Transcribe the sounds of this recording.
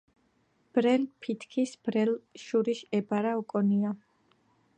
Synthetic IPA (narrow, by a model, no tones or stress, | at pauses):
b̥ɾɛlpʰit̪ʰkʰisb̥ɾɛlʃuɾiʃɛbaɾaukʼɔnia